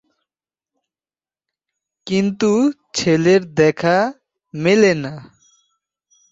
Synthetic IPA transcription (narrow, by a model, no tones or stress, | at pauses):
kint̪u | t͡ʃʰeleɾd̪ɛkʰa | milena